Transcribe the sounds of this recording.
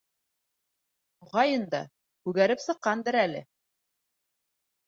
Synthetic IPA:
uʁɑjɤnd̪ɑ̰ | kʉɡæɾɘpsɤ̆qːɑnd̪ɤɾælɘ̰

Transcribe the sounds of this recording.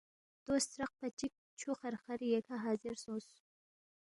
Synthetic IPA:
d̪̥ost̪ɾaq̚pat͡ʃik̚ | t͡ʃʰuxaɾxaɾjekʰaɦɑzɪɾsos

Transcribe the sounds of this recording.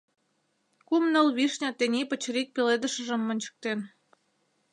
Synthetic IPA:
kumnə̆lβiʃnʲɑt̪enʲipət͡ɕɾik̚peled̪ə̆ʃə̆ʒə̆mːə̆nʲt͡ɕə̥̆k̚t̪en

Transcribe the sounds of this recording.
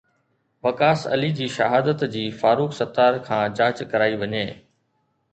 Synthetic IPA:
ʋɐkaːsɐ̰lid͡ʑiːʃɐ̰ɦaːd̪ət̪d͡ʑiːfaːɾuːksɐt̪aːɾkʰãːd͡ʑaːt͡ɕkɐɾaːiʋɐɲeː

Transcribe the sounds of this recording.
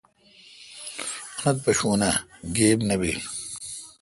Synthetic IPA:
ɐnɐt̪̚pɐɕuːnɐɡeːbnɐbim

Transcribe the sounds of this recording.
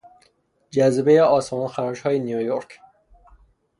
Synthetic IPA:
d͡ʒæzbejeɒːsmɒːnxæɾʃhɒːjenijojoɾk

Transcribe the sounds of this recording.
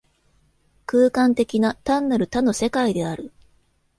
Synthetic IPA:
kɯːkãnt̪e̞kʲinat̪ãnːaɾɯ̟t̪ano̞se̞kaid̪e̞aɾɯ̟

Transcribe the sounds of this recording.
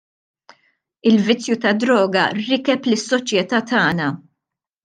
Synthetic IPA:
ɪlvɪt͡sːjut̪ɐd̪ɾɔːɡɐ̰ɾɪkɛplɪsːɔt͡ʃjɛt̪ɐːt̪ɐːnɐ

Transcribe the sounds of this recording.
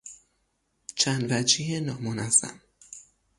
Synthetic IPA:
t͡ʃʰænd̪væd͡ʒijenɒːmonæzæ̰m

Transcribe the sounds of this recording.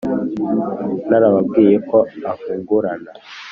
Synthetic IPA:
naɾaβabɡiːjekoafuːŋɡuɾana

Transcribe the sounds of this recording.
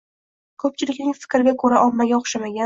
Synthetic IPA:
kʰɵp̚t͡ʃʰɪlɪkʲnɪŋfɪ̥kʲɾɪɡʲakʰɵɾaʔɒmːaɡʲaɒχʃamaɡʲa

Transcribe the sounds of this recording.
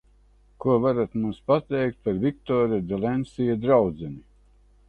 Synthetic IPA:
kuɔvaɾat̪mumspat̪ɛjk̚t̪̚paɾvʲik̚t̪ɔːɾad̪ɛlˠɛnsijad̪ɾawd̪zɛnʲi

